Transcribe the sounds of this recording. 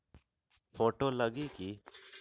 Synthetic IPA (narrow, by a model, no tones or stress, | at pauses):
pʰoːʈoːləɡiːki